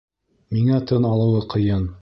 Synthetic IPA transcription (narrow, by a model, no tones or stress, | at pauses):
miŋæt̪ɤnɑlˠɤ̆wɤqɤ̆jɤn